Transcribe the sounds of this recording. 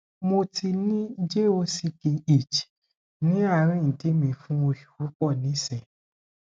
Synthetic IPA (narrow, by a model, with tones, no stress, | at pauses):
mo˧tʰi˧nĩ˦d͡ʒe˦o˧si˦˧˨ke˧i˨t͡ʃi̥˨ | nĩ˨˦a˦˧˨ɾ̃ĩ˦n̩˨di˨˦mĩ˧fũ˦o˧ʃu̥˨wu˨˦k͡pɔ˦˨nĩ˨˦sɛ˨